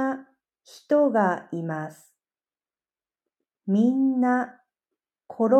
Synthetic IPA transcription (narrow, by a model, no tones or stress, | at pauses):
a | çi̥t̪oɡaimasɨ̥ | mʲĩnːa | kʰo̞ɾo